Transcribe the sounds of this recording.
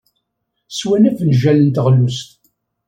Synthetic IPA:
swænæfnʒælənt̪əʁlːust̪

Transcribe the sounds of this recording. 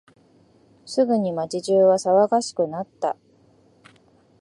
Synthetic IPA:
sɨɡɯ̟ɲ̟imat͡ɕiʑɨːβasaβaɡaɕi̥kɯ̟nat̪ːa̰

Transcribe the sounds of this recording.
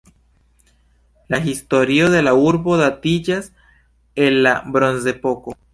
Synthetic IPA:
laxist̪oɾjoðelauɾβoðat̪id͡ʒas | enlabɾonsepoko

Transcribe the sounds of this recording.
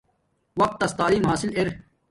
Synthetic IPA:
wɐq̚t̪ːɐst̪aːliːmɦaːsɪleɾ

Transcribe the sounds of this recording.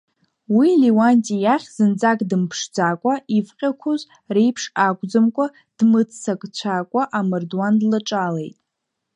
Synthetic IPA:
wiliwantʼijaχʲzɨnd͡zakʼdɨmpʰʂd͡zakʷʼaifqʲʼakʷʰʊz | rejpʰʂakʷʼd͡zɨmkʷʼa | d̥mɨt͡sʰsakʷʼt͡ɕʷʰakʷʼaʔamɨrdwandlɨʈ͡ʂʼale̞̰jtʼ

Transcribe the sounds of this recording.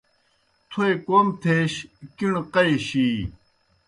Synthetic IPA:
t̪ʰuekoːmt̪ʰeːɕkiɳqɐeɕiː

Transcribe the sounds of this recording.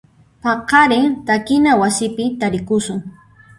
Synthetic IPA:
pɑqɑɾɪŋt̪akɪnawasɪpɪt̪aɾɪkʊsʊŋ

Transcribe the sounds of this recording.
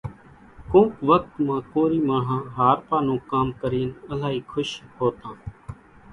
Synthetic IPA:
kũːkʋək̚t̪mãːkoːɾiːmaːɽ̤ãːɦaːɾpaːnũːkaːmkəɾiːnəlaːɦiːkʰʊʃɦoːt̪ãː

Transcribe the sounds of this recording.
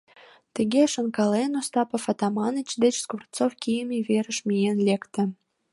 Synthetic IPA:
t̪ə̆ɡʲeʃə̆nkɑlenost̪ɑpəfɑt̪ɑmɑnət͡ɕd̪et͡ɕskurt̪t͡sofkʲijəmʲeveɾə̆ʃmʲijenlʲekt̪ə̆

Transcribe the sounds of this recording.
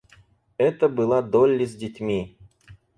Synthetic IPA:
ɛt̪əbɨlˠad̪olʲːɪzʲdʲɪtʲmʲi

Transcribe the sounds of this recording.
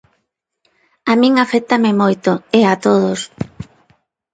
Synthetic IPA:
amĩŋafɛk̚t̪amɪmojt̪ʊeat̪oðos

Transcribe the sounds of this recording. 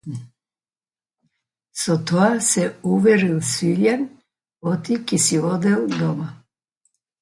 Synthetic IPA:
sɔt̪oasɛuʋɛɾilsʋiʎan | ot̪ikisiɔd̪ɛld̪ɔma

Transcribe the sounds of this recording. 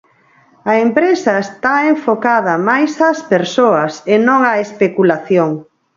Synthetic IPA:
ɐempɾesɐest̪aeɱfokað̞ɐmajsɐspeɾsoɐsenõŋɐespekulaθjoŋ

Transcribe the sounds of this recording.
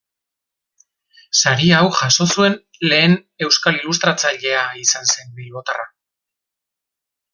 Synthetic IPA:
saɾiawʝaso̞sue̞n | le̞ːne̞wskalilus̬t̪ɾat͡saʎe̞aisanse̞mbilβo̞t̪ara

